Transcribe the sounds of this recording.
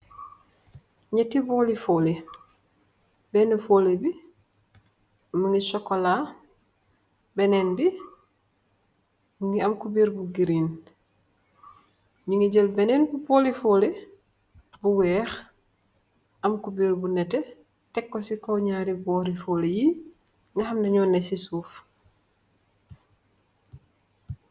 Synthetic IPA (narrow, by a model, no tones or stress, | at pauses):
ɲɛtibɔːlifoːli | bɛnufoːlebi | məŋɡisɔkːola | bɛnɛnbi | ŋiɐmkubiːɾbuɡiɾiːn | ɲiŋiɟəlbɛnɛːnbubɔːlifoːle | buwɛːx | ʔɐmkubiːɾbunɛtɛ | tɛkːosikowɲaːɾibɔːɾifoːleji | ŋɡɐhɐmnɐɲɔːnːesisuːf